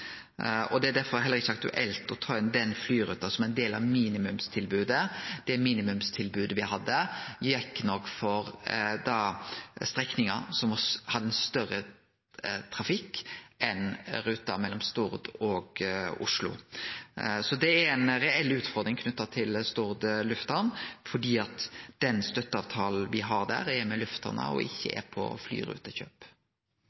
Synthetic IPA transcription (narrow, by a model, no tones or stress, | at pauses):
ɔd̪ɛæd̪æɾfɔɾɦɛlːəɾɪçːəɑkt̪ʉ̰ʔɛlt̪ɔt̪ʰɑːɛnd̪ɛnflyːɾʉ̰ːt̪ɑsɔmæɪnd̪eːlɑ̰ʋmiːnɪmʉmst̪ʰɪlbʉːd̪əd̪̥ɛæmiːnɪmʉmst̪ʰɪlbʉːd̪əʋɪɦɑd̪ːəjɛkːnɔkːfɔɾd̪ɑst̪ɾɛknɪŋəsɔmɔshɑd̪ːəɛnst̪œɾə | t̪ʰɾɑfɪkːʔɛnɾʉːt̪ːɑmɛlːɔmst̪ʊɾd̪ɔɡʊ̰ʂlʊ̰ | sɔd̪ɛæɾɛnɾɛɛlːʉːt̪fɔʁd̪ɾɪŋkʰnʉt̪ːɑt̪ʰɪlst̪ʊɾd̪lʉft̪ənfɔɖ̪iːɑt̪d̪̥ɛnst̪œt̪ːəɑːʋt̪ʰɑːl̩ʋɪɦɑɾd̪æ̰ɾɛɾmɛlʉft̪ə̰nə̰ɔ̰ʔɪçːə̰ʔɛ̰pʰɔ̰fly̰ːɾʉ̰ːt̪əçø̰ːp